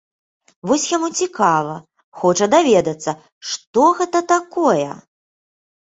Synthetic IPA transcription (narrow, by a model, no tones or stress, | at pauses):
vɔsʲjamut͡sʲikavɐ | xɔt͡ʂɐd̪avʲed̪ɐt̪sːɐ | ʂt̪ɔɣɛt̪ɐt̪akɔjɛ̰